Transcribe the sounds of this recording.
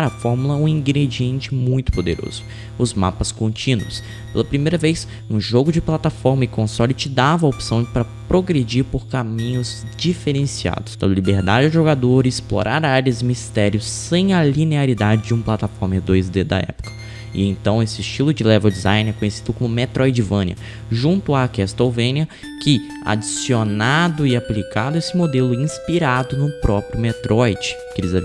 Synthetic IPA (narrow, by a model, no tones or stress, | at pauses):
ɾɐfɔɾmulɐũĩɡɾed͡ʒiẽnt͡ʃɪmũj̃t̪ʊ̥pod̪eɾo̰zʊ | ʊzma̰pɐskõnt͡ʃĩnuwʊs | pelɐpɾimejɾɐvejs | ũʒoɡʊd͡ʒɪplat̪afɔɾmɐɪkõsɔlit͡ʃɪd̪avɐopsɐ̃w̃pɾɐpɾoɡɾed͡ʒiɾpoɾkamĩɲʊzd͡ʒifeɾẽsia̰d̪ʊsd̪ɐlibeɾd̪ad͡ʒɪʊʒoɡad̪oɾɐɪsplo̰ɾʔaɾaɾɐzɪmist̪ɛɾjʊsːẽj̃ɐlineaɾid̪ad͡ʒɪd͡ʒɪũplat̪afɔɾmɐd̪ojzd̪ed̪ɐ̰ɛ̰pʊ̥kɐ̥ | ɪ̰ẽt̪ɐ̃w̃esɪːst͡ʃilʊd͡ʒɪlɛvewd͡ʒizãj̃nɛkõɲesid̪ʊkõmʊmet̪ɾʔɔjd͡ʒɪvɐ̃niɐ̰ | ʒũnt̪ʊakɛst̪owvẽniɐ | kɪ | a̰d͡ʒisionad̪ʊɪaplikad̪ʊesɪmod̪elʊĩspiɾad̪ʊnʊpɾɔpɾjʊmet̪ɾʔɔjd͡ʒɪ | kɪɾizɐ